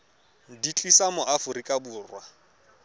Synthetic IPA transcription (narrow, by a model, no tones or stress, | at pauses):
dit͡ɬʼisamʊʔafʊɾikʼabuːrwa